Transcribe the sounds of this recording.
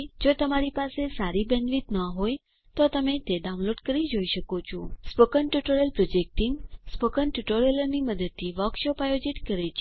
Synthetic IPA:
d͡ʒot̪əmaɾipasesaɾibɛ̃nʋit̪nəɦoj | t̪ot̪əmet̪eɖaũnloɖkəɾid͡ʒoiʃəkot͡ʃʰũspokənʈjuʈoɾəlpɾod͡ʒek̚ʈiŋspokənʈuʈoɾeləɾniməd̪əd̪̚t̪ʰːiʋəkʃopajod͡ʒiʈkəɾet͡ʃʰe

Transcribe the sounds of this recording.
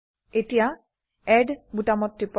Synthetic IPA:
etija | ɛɖbutamɔtːip

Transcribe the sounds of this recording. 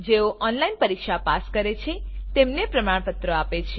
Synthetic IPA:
d͡ʒeoʔɔnlainpəɾikʃapaskəɾet͡ʃʰet̪emnepɾəmaɳpət̪ɾəapet͡ʃʰe

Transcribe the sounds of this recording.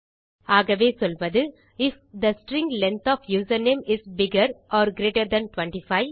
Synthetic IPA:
aːɣɐʋeːsɔlʋɐðɯ | ɪf | d̪ɐsʈɾɪ̃ŋɡlɛ̃nt̪ɔːfjuːsɐɾneːmɪsbɪɡɐɾʔɔːɾɡɾeːʈɐɾd̪ɐ̃nʈʋɐ̃ɳʈifaɪ

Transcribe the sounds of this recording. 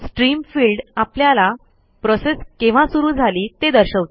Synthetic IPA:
sʈɾiːmfiːlɖapljala | pɾɔseskẽʋ̤ãsuɾuːd͡zʱaliːt̪ed̪əɾɕəʋt̪

